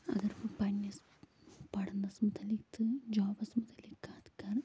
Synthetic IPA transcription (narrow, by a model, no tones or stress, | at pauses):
ɐ̰ɡɐɾpɨpɐnjɐs | pɐɽɐnːɐsmud̪ɐlit̪ːɨd͡ʒoːʋɐsmud̪ɐlikːaːt̪kar